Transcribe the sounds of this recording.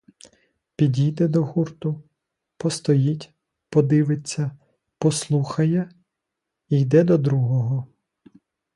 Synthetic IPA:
pʲidʲijd̪ɛd̪ɔɦurt̪ʊ | pɔst̪ɔjitʲ | pɔd̪ɪʋet͡sʲːɐ | pɔslˠuxɐjɛ | ijd̪ɛd̪ɔd̪ɾuɦɔɦɔ

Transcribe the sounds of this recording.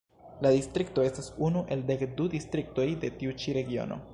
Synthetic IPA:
ladistɾikto̞e̞stasunuʔe̞lde̞kdudistɾik̚to̞jde̞tiut͡ʃiɾe̞ɡio̞̰no̰

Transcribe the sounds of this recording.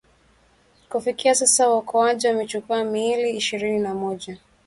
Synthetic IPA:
kufikiasasawaukʰɔaʄiwamɛt͡ʃukuamiliːʃiɾininamɔʄa

